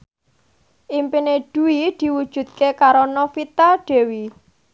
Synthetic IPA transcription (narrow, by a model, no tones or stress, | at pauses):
ʔimpineɖ̥ṳwid̪̥i̤wud̥ʒ̥ṳd̪̚kekaɾonɔfit̪aɖ̥e̤wi